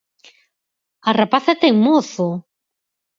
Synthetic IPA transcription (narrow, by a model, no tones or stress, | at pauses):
arapaθat̪ɛŋmoθʊ